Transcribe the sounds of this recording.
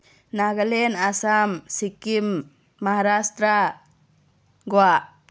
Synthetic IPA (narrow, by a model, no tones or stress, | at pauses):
naɡalɛnasamsikimː | aɦaɾast̪ɾa | ɡɔwaʔ